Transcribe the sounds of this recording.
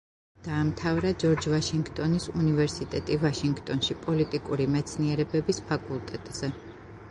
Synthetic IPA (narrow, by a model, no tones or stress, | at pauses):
d̪̥aːmt̪ʰavɾad͡ʒɔɾd͡ʒvaʃiŋɡt̪ʼɔnisunivɛɾsit̪ʼɛt̪ʼivaʃiŋɡt̪ʼɔnʃipʼɔlit̪ʼikʼuɾimɛt̪sʰniɛɾɛbɛbispʰakʼulˠt̪ʼɛt̪ʼz̥ɛ